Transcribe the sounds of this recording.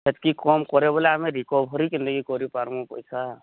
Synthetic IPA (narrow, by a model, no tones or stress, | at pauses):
ət̪kikɔmkɔɾebɔleamẽɾikɔbʱɔɾikind̪əɡikɔɾipaɾmõpɔjsʰa